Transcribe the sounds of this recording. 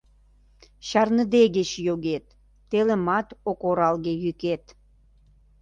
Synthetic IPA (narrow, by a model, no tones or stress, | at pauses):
ɕɑrnəd̪eɣet͡ɕjoɣet̪ː | elĕmɑt̪okoɾɑlɣejyket̪